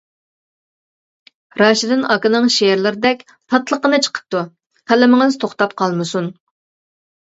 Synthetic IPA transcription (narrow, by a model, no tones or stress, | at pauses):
ɾɑʃɪd̪ɪnɑkɨnɨŋʃeɾlɪɾɪd̪ɛkʲ | t̪ʰɑt̪lˠəqənɨt͡ʃʰə̥qʰə̥p̚t̪u | χʰælɪmɪŋɪz̥t̪ʰoχt̪ɑp̚qʰɑlˠmɨsun